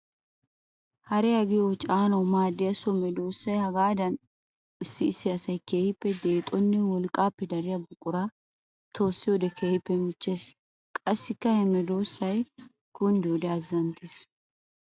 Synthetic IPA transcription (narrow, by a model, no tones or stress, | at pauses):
hɐɾɛjɐɡɪjot͡ʃʼaːnɐwmaːd̪ːɪjɐsɔmɛd̪o̞ːsːɐjhɐɡaːd̪ɐn | ɪsːɪːsːɪɐsɐjkeːhɪpːɛd̪e̞ːt̪ʼɔnːɛwɔlkʼːaːpːɛd̪ɐɾɪjɐbʊkʼːʊɾa | t̪ʰo̞ːsːɪjɔd̪ɛkʰeːhɪpːɛmɪt͡ʃːe̞ːs | kʼɐsːɪkːɐhɛmɛd̪o̞ːsːɐj | ɡ̥ɔnd̪ɪɔd̪ɛɐzːɐnt̪ʰeːs